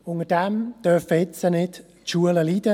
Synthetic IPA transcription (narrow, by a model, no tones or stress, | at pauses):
ʊŋədɛmd̥œfəɪt͡sənɪd | tʃuələliːdə